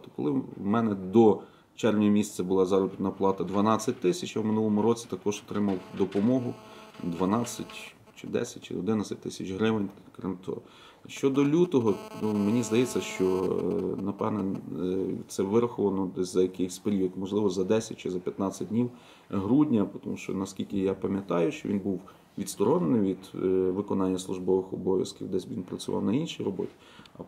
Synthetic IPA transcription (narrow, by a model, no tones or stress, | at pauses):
t̪ɔkɔlˠɪmɛnɛd̪ɔ | t͡ʃɛrʋnʲmʲisʲt͡sʲɐbʊlˠɑzɑɾɔbʲit̪ʲnɐplˠɑt̪ɐd̪ʋɐnɑt͡sʲːɐt̚ʲt̪ɪsʲɐt͡ʃɐwmɪnulˠɔmʊɾɔt͡sʲi̥t̪ɐkɔʒɔt̪ɾɪmɐwd̪ɔpɔmɔɦʊd̪ʋɐnɑt͡sʲːɐtʲ | t͡ʃɪ̰d̪ɛ̰sʲɐtʲt͡ʃɪ̰ɔd̪ɪnat͡sʲɐt̚ʲt̪ɪsʲɐt͡ʃɦɾɪʋɪnʲkɾɪ̰mt̪ʰɔ̰ | ʃt͡ʃɔd̪ɔlʲut̪ɔɦɔnumenʲizd̪ɐjɛt͡sʲːɐʃt͡ʃɔnɐpɛʋnɛ | t̪sɛʋɪɾɐxɔʋɐnɔzɐjɐkɪjxʲspeɾʲiɔd̪mɔʒlˠɪʋɔzɐd̪ɛsʲɐt̚ʲt͡ʃɪzɐpʲjɐt̪nɑt͡sʲɐt̚ʲdʲnʲiw | ɦɾudʲnʲɐpɔt̪ɔmuʃt͡ʃɔ̰nɐskʲilʲkɪjapɐmʲjɐt̪ɑjʊʃt͡ʃɔʋʲinbuw | ʋʲid̪st̪ɔɾɔnenɪmʋʲid̪ʋɪkɔnɑnʲːɐslˠʊʒbɔʋɪxɔbɔʋʲjɐ̰skʲiwd̪ɛsʲʋʲinpɾɐt͡sʲʊʋʔɑ̰wnɐinʃijrɔbɔ̰tʲi̥ | ɐ